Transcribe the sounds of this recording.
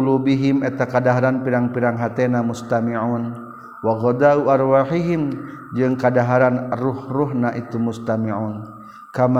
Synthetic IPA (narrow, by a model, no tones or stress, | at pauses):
lubiɦimɛt̪akadaɦaɾanpiɾaŋpiɾaŋɦat̪ɛnamust̪amiʕuːn | waɣɔd̪auarwaħiɦim | d͡ʒɨŋkadaɦaɾanruhruɦnaʔit̪umust̪amiʕuːn | kama